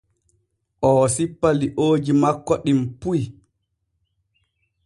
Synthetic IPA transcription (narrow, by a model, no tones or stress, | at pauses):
ʔɔsipːaliʔoːd͡ʒimakːɔɗimpuj